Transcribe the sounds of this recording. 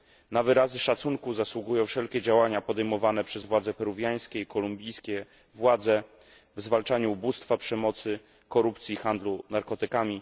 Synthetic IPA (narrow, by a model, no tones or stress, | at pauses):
navɘɾazɘʂat̪suŋkuzaswuɡujɔ̃w̃fʂɛlkʲɛd͡ʑawaɲapɔd̪ɛjmɔvanɛpʂɛzvwad̪zɛpɛɾuvʲjaj̃skʲɛikɔlumbʲijskʲɛ | vwad̪zɛ | vzvalt͡ʂaɲuːbust̪fapʂɛmɔt̪sɘ | kɔɾupt̪sʲixand̪lunaɾkɔt̪ɘkamʲi